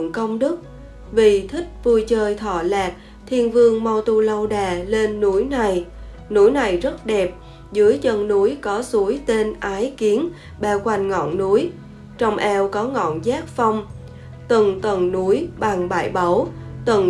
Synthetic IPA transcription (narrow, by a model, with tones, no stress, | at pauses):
ŋkə˧wŋ͡mɗɨ˦˥k̚ | vi˨˩t̪ʰï˦˥k̟̚vu˧jt͡ɕəː˧jt̪ʰɔ̰˧˩laː˨˩t̚ | t̪ʰi˧ənvɨ˧əŋma˧wt̪u˧lə˧wɗaː˨˩le˧nːu˨˦jna˨˩j | nu˨˦jna˨˩jzə˦˥t̚ɗɛ˨˩p̚ | zɨ˨˦əjzə˧nnu˨˦jkɔ˨˦su˨˦əjt̪e˧nʔaː˨˦jki˨˦ən | ɓɛː˧˩wkwa˨˩jŋ̟ŋɔ̰˧˨nnu˨˦j | t͡ɕɔ˧wŋ͡mʔɛ˧wkɔ˨˦ŋɔ̰˧˨nzaː˦˥k̚fa˧wŋ͡m | t̪ɨ˨˩ŋt̪ə˨˩ŋnu˨˦jɓa˨˩ŋɓa̰ː˧˩jɓə˨˦wt̪ə˨˩ŋ